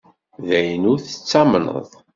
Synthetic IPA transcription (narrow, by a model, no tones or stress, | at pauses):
ðæjənʊɾθə̥t͡sːɑmnə̰ðˤ